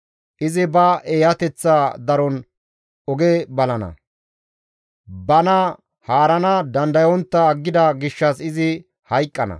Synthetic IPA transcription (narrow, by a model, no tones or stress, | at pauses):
ʔɪzɪbɐʔeːjɐt̪ɛt͡sːaːd̪ɐɾɔn | ɔɡebɐlɐnɐ̰ | bɐnɐ | haːɾɐnɐd̪ɐnd̪ɐjɔnt̪ːɐɡːɪd̪ɐɡɪʃːɐsɪzɪ | hɐjkʼːɐnɐ̰